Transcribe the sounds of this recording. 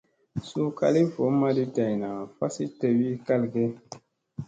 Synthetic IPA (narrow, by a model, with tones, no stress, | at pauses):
su˦ka̰˧li˦vo˨˦ma˦di˦da˨jna˨fa˦si˦te˨wi˦ka˦lɡe˦